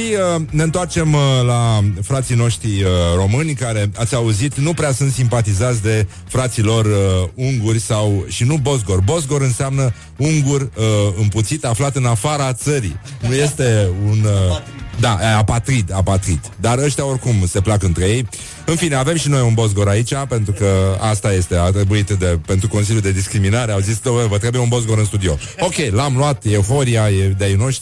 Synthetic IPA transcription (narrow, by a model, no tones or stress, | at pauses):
ʃiəne̞nt̪oart͡ʃe̞mlafɾat̪sino̞ʃt̪ɾiəro̞mɨnʲkaɾe̞at̪sʲauzit̪nupɾeasunt̪simpat̪izat̪sʲd̪e̞ | fɾat̪silo̞rəuŋɡurʲsawʃinubo̞zɡo̞rbo̞zɡo̞ɾɨnseamnə | uŋɡurʲəɨmput̪sit̪aflat̪ɨnafaɾat̪səɾḭnuje̞st̪e̞unəd̪aapat̪ɾit̪apat̪ɾit̪d̪aɾəʃt̪eao̞rkumse̞plakəɨnt̪ɾe̞je̞j | ɨnfine̞ave̞mʃino̞junbo̞z̬ɡo̞ɾait͡ʃape̞nt̪ɾukəast̪aje̞st̪e̞at̪ɾe̞buit̪d̪e̞pe̞nt̪ɾuko̞ns̬iljud̪e̞d̪iskɾiminaɾeawzisd̪oevət̪ɾebujeunbo̞zɡo̞ɾɨnst̪ud̪io̞̰ | o̞kʲe̞jlamluat̪eufo̞ɾiaed̪eajno̞ʃt̪